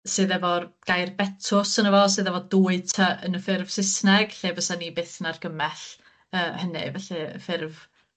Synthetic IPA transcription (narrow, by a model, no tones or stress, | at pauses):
sɨːðɛvɔɡ̥ajrbɛtʰʊsənəvɔs̬ɨːðɛvɔduːɨtʰəʔənəfɪrv̥sɪsnɛɡ̥ɬeːvəsanibeːθnarɡəmɛɬ | əːhənɨ̰vɛɬɨə̰fɪrv